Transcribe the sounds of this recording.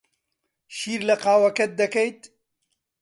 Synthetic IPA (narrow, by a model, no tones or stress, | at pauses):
ʃiːɾlɐqaːwɐkɐt̪̚d̪ɐkɐjt̪